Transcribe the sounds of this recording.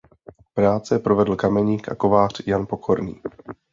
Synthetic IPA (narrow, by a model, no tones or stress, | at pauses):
pɾaːt͡sɛpɾovɛdl̩kamɛɲiːkʔa̰ko̞vaːr̝̥janpo̞kʰoɾnḭː